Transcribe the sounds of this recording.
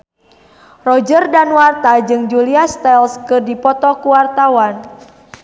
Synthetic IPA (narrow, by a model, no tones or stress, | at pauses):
rɔd͡ʒərdanwart̪ad͡ʒɨŋd͡ʒuliast̪ɛlskɨrdipɔt̪ɔkuwart̪awan